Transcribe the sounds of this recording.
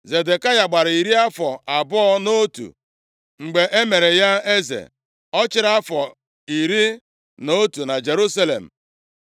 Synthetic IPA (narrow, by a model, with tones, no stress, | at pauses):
ze˨de˨ka˦ja˨ɡ͡ba˨ɾi˨ɾi˦a˦fɔ˨a˨bɔ˦ɔ˦no˦tṵ˨ | ŋ͡m̩˨ɡ͡be˨ʔe˦me˨ɾe˨ja˦e˦zḛ˨ | ɔ˦t͡ʃɪ˦ɾa˦fɔ˨ | i˨ɾi˦ | no˦tu˨na˨d͡ʒe˨ɾu˦sa˦lḛ˨m̩˨